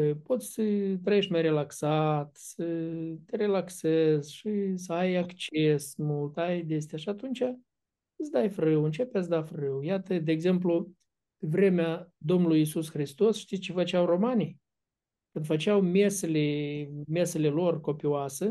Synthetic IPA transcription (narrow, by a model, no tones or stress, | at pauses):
po̞t̪sʲsət̪ɾəje̞ʃmajɾe̞laksat̪sət̪ʲeɾe̞laksezʲʃis̬əajakt͡ʃesmult̪ajd̪es̬t̪eaʃiat̪unt͡ʃʲa | ɨsd̪ajfrɨwɨnt͡ʃe̞pes̬d̪afrɨwjat̪əd̪eːɡze̞mplu | evɾe̞mead̪o̞mnulujisusxɾist̪o̞sʃt̪isʲt͡ʃe̞fət͡ʃawro̞manij | kɨnt̪fət͡ʃawmʲe̞selemʲe̞selelo̞rko̞pioasə